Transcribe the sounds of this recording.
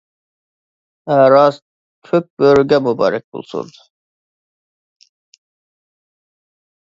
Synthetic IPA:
æɾɑz | kʰøk̚b̥øɾɡʲɛmubɑ̰ːɾɛk̚bṵlˠsṵn

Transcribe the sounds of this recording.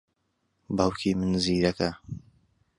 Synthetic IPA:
bɐwkʰiːmɨnziːɾɐkɐ

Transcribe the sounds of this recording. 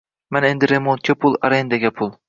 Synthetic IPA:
manend̪ɪɾemont̪̚kʲʰapʰʊlˠaɾend̪aɡʲapʰʊlˠ

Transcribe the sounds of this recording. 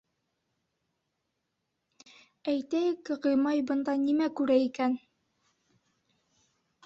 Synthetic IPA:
æjt̪æjɘkʁɤ̆jmɑjbɤ̆nd̪ɑnimækʉɾæikæn

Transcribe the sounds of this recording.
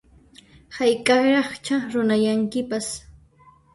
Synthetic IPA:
hajkʼɑɾɑχt͡ʃaɾʊnajaŋkɪpas

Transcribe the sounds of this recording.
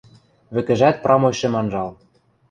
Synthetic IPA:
βɘ̆kɘ̆ʒæt̪̚prɑmojʃĕmɑnʒɑl

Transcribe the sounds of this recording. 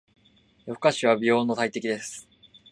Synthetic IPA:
jokaɕiβ̞abʲijo̞ːnːo̞t̪ait̪e̞kʲid̪e̞sɨ̥

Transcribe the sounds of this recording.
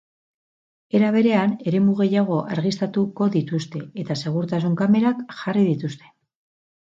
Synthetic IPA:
e̞ɾaβ̞e̞ɾe̞ane̞ɾe̞muɣ̞e̞jaɣ̞o̞ʔaɾɣist̪at̪uko̞ðit̪ust̪e̞et̪ase̞ɣ̞uɾt̪asuŋkame̞ɾakʝariðit̪ust̪e̞̥

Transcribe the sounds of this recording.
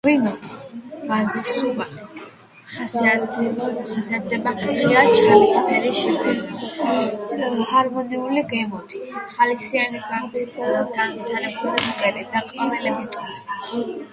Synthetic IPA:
ʁwinɔ | mazisuva | χasia | χasiat̪̚d̪ɛbaiat͡ʃʰχalisʰmɛɾiʃɛkɛi | haɾmɔniuliɡɛmɔd̪ʰiχalisianiɡanbip̪ʰɔlɔɡanmit̪ʰanɛpʰɔɾat̪ʰikʼɛɾid̪aqʼanilɛbist̪ʼɔ

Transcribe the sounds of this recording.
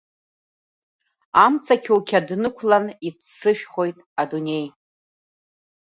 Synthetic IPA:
amt͡sʰʼakʲʰukʲʰadnɨkʷʰlanit͡sʰsɨʃᶣχo̞jtʼadune̞j

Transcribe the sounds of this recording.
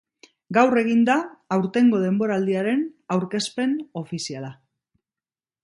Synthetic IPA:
ɡawre̞ɣ̞ind̪aːwɾt̪e̞ŋɡo̞ð̞e̞mbo̞ɾaːld̪iaɾe̞nawɾke̞spe̞no̞fisiala

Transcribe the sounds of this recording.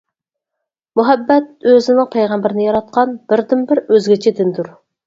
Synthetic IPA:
muɦɛbːɛt̪̚øzɪnlq̚pʰɛjʁɛmbɪɾɪnɪjɑɾɑt̪̚qʰɑnb̥ɪɾd̪ɪmbɪɾøzɡʲɪt͡ʃʰid̪ɪnd̪uɾ

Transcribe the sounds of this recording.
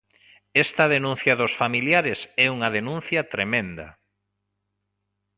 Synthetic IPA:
ɛst̪ɐðenũn̟θjɐðosfamiljaɾɪsɛuŋɐðenũnθjɐt̪ɾemẽnd̪ɐ̰

